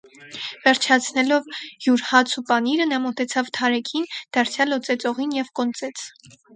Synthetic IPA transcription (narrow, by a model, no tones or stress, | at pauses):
vɛɾt͡ʃʰɑt͡sʰnɛlɔvjuɾhɑt͡sʰupɑniɾənɑmɔt̪ɛt͡sʰɑvt̪ʰɑɾɛkʰind̪̥ɑɾt͡sʰjɑlɔt͡sɛt͡sɔʁinjɛvkɔnt͡sɛt͡sʰ